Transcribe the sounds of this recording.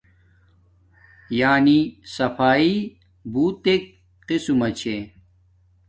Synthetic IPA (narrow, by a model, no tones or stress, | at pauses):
jaːnisɐfaːi | buːt̪ek̚ | qisumɐt͡ɕʰe